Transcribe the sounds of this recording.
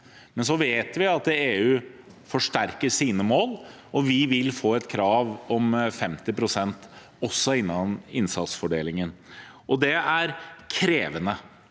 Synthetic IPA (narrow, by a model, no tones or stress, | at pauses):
mɛns̬ɔʋeːt̪ʋɪɑt̪eːʉː | fɔʂʈæɾkəʂiːnəmoːl | ʔɔʋɪʋɪlfoːɛt̪kʰɾɑːʋɔmfɛmt̪ɪpɾʊsɛnt̪ | ɔsːɔɪnːɑnɪnsɑt̪sfɔɖeːlɪŋənʔɔd̪ɛæɾkʰɾeːʋənə